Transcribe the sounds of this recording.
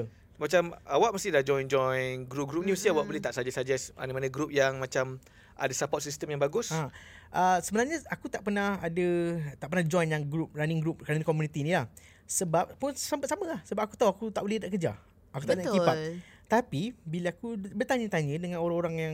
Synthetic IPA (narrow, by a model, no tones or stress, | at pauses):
mat͡ʃamawaʔmast̪ihlahd͡ʒɔjnd͡ʒɔjnɡɾup̚ɡɾup̚nĩst̪iawaʔ̚bolɛht̪aʔsad͡ʒasad͡ʒɛsa̰nəmanə̃ɡɾup̚jaŋmat͡ʃam | a̰dasapɔt̚sist̪əmjaŋbaɡʊsa | ʔəsəbənarɲəakut̪aʔpənahadət̪aʔpərnad͡ʒɔjnjaŋɡɾup̚raniŋɡɾup̚kanankomjunit̪inĩlah | səbap̚pʊnsampət̪̚samə̃lahsəbap̚aku̥t̪auakut̪a̰ʔbolɛhdaʔkəd͡ʒa̰ | ʔakut̪akipa | t̪apibilaakubərt̪aɲə̃t̪aɲə̃dəŋanoɾaŋoɾaŋjaŋ